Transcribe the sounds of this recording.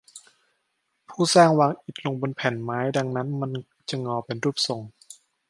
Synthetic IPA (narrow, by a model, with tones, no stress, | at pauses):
pʰuː˥˩saː˥˩ŋwaː˧ŋʔi˨˩t̪̚lo˧ŋbo˧npʰɛ˨˩˦nmaː˦˥jda˧ŋna˦˥nma˧˨n | t͡ɕa˨˧˩ŋɔː˧˩pe˨nɾuː˥˩p̚so˨˩ŋ